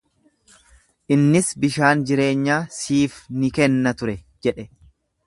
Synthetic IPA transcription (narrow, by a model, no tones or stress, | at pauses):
ʔɪnːɪsbɪʃaːnd͡ʒɪɾe̞ːɲːaːsiːfnɪkɛnːɐt̪ʊɾɛ | d͡ʒɛᶑɛ